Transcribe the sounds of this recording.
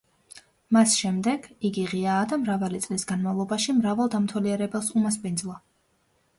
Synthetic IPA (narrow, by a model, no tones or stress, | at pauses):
masʃɛmd̪ɛɡ̥iɡiʁiaːd̪amɾavalit̪sʼlisɡanmavlˠɔbaʃimɾavalˠd̪amt̪ʰwɛliɛɾɛbɛlˠsumaspʼind̪zlˠa